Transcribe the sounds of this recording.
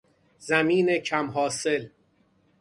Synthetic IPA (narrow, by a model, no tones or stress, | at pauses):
zæmiːnecʰæmɦɒːsel